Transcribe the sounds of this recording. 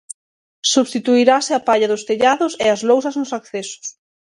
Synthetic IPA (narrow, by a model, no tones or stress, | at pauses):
suβst̪it̪uiɾasɪapaʎɐðʊst̪eʎaðʊseɐzlowsɐznʊsakθesʊ̥s